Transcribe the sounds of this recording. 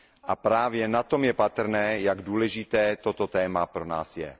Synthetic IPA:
ʔapɾaːvjɛnat̪o̞mjɛpat̪r̩nɛːjaɡduːlɛʒɪt̪ɛːt̪ot̪ot̪ɛːmapɾona̰ːsjɛ̰

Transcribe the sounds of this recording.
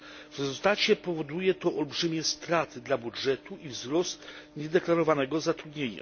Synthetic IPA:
vɾɛzult̪at͡ɕɛpɔvɔd̪ujɛt̪ɔʔɔlbʐɘmʲɛst̪ɾat̪ɘd̪labudʐɛt̪uʔivzɾɔst̪ɲɛd̪ɛklaɾɔvanɛɡɔzat̪ɾud̪ɲeɲa̰

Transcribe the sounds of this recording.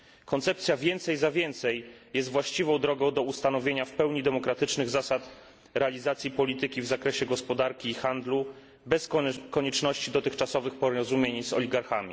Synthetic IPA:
kɔnt̪sɛp̚t̪sʲjavʲjɛnt̪sɛjzavʲjɛnt̪sɛjjɛs̬t̪vwaɕt͡ɕivɔ̃w̃d̪ɾɔɡɔ̃w̃d̪ɔust̪anɔvʲjeɲafpɛwɲid̪ɛmɔkɾat̪ɘt͡ʂnɘɣzasat̪ | ɾɛalʲizat̪sʲjipɔlʲit̪ɘkʲivzakɾɛɕɛɡɔspɔd̪aɾkʲiːxand̪lu | bɛskɔɲɛt͡ʂnɔɕt͡ɕid̪ɔt̪ɘxt͡ʂasɔvɘxpɔɾɔzumʲjeɲzɔ̰lʲiɡaɾxamʲḭ

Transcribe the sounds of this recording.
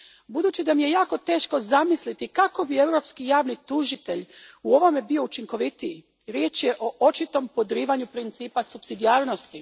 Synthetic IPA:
bud̪uːt͡ɕid̪amije̞jaːko̞t̪e̞ːʃko̞zamislit̪ikako̞bie̞wɾo̞pskijaːʋnit̪uʒit̪e̞ʎuo̞ʋo̞me̞bio̞ut͡ʃiŋko̞ʋit̪ii | ɾje̞ːt͡ʃjeʔo̞ʔo̞t͡ʃit̪o̞mpo̞d̪ɾiːʋaɲupɾint̪siːpasupsid̪iaːɾno̞st̪i

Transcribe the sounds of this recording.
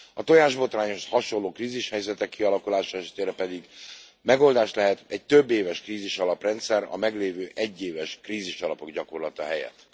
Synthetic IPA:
ɒt̪o̞jaːʒbo̞t̪raːɲo̞ʃhɒʃo̞lːoːkriːziʃhɛjzɛt̪ɛkːiɒlɒkulaːʃɒɛʃɛ̥t̪eːɾɛpɛd̪iɡ | mɛɡo̞ld̪aːʃt̪lɛɦɛt̪ɛɟ̚t̪ø̞bːeːvɛʃkriːziʃɒlɒprɛnt̪sɛɾɒ̰mɛɡleːvøːʔɛɟːeːvɛʃkriːziʃɒlɒpo̞ɡɟɒko̞rlɒt̪ɒɦɛjɛ̰t̪ː

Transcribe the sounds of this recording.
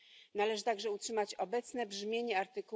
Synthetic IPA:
nalɛʐɘt̪aɡʐɛutʂɘmat͡ɕɔbɛt̪snɛbʐmʲjeɲɛaɾt̪ɘku

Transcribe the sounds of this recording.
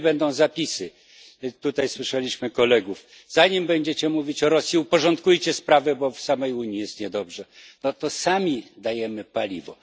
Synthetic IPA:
bɛnd̪ɔ̃w̃zapʲisɘ | t̪ut̪ajswɘʂɛlʲiɕmɘkɔlɛɡuf | zaɲimbɛɲd͡ʑɛt͡ɕɛmuvʲit͡ɕɔɾɔsʲjiupɔʐɔnt̪kujt͡ɕɛspɾavɛbɔfsamɛjuɲijɛst̪ɲɛd̪ɔbʐɛnɔt̪ɔsamʲid̪ajɛmɘpalʲḭvɔ̰

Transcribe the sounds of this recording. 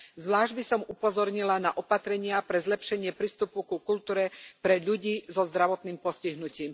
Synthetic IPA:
zʋlaːʒɟbisɔmupɔzɔɾɲilanaʔɔpat̪ɾɛɲɪapɾɛzlɛpʃɛɲɪɛpɾiːst̪upukukult̪uːɾɛpɾɛʎuɟiːzɔzd̪ɾaʋɔt̪niːmpɔsciɦnuciːm

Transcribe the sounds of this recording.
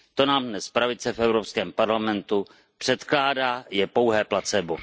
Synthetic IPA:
t̪o̞naːmdnɛspɾavɪt͡sɛfʔɛvɾopskɛːmpaɾlamɛnt̪u | pr̥ɛt̪klaːdaːjɛpo̞wɦɛːplat͡sɛbo

